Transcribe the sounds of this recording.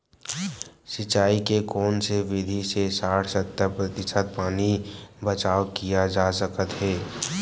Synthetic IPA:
sɪt͡ʃaːikekɔːnseʋɪd̪ʱisesaːʈʰsət̪ːəɾpɾət̪ɪsət̪̚paːnibət͡ʃaːkijad͡ʒaːsəkət̪ɦɛː

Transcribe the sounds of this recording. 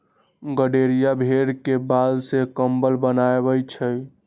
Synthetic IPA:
ɡəɖeɾijabʱeɽkebad̪sekəmbəlbənaebət͡ʃʰəj

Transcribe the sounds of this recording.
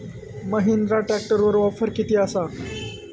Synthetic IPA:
məɦind̪ɾaʈæk̚ʈəɾʋəɾʋafəɾkit̪iːasa

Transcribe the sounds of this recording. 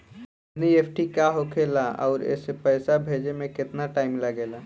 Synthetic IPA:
nieːpʰʈikaɦokʰeːlaɔ̰ːɾɛ̰ːsepɛːsabʱeːd͡ʒemẽkɪt̪naʈaːɪmlɐɡeːlaː

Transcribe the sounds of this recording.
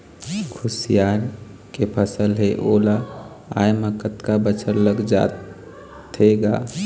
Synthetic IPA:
kʰusijaɾ | kepʰəsəlɦeʔola | a̰jmekət̪kabət͡ʃʰəɾləɡd͡ʒa̰t̪ʰː | eɡa̰

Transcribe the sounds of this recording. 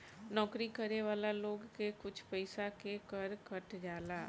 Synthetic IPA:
nɔːkɾikəɾeʋaːlaloːɡkekʊt͡ʃʰpɛɪsakekəɾkəʈd͡ʒaːlaː

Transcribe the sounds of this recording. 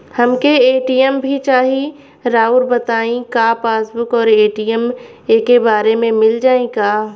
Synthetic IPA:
hɐmkeeːʈiːjəmbʱit͡ʃaːɦi | ɾaːʊɾbɐt̪aːĩkaːpaːsbʊkɔːɾeːʈijəm | eːkebaːɾemẽmɪld͡ʒaːẽkaː

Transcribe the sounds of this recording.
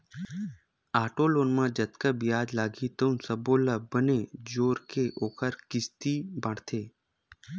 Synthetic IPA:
aːʈoːloːnmãːd͡ʒət̪kəbɪjaːd͡ʒlaːɡit̪ə̃nsəboːləbəned͡ʒoːɾkeʔoːkəɾkɪst̪iːbəɽt̪ʰeː

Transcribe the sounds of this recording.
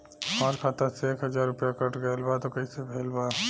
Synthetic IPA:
maɾkʰat̪aseeːkɦəd͡ʒaːɾːʊpjakəʈʰɡəjlbat̪okɐisebʱeːlbaː

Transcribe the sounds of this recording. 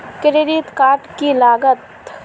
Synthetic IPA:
kɪɾeɾit̪kaːʈkilaːɡət̪

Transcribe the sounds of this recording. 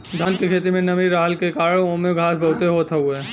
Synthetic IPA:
d̪ʱankekʰeːt̪imẽnɐʋiɾaːɦəlkekaːɾəõːmeɡʱaːsbʱɐɦʊt̪eɦoːt̪ʰeɦueː

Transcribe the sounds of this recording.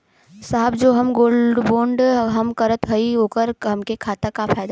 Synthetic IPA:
saɦəbd͡ʒoːɦɐmɡoːlɖboːɳɖɦɐmkɐɾət̪ɦɐioːkəɾɦɐmkekʰaːt̪akafaːjd̪a

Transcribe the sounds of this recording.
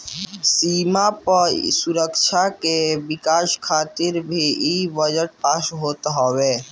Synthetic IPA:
simapəsuɾəkt͡ʃʰakebikaʃkʰaːt̪iɾbʱiibəd͡ʒəʈ̚paːsɦoːt̪ɦɔbe

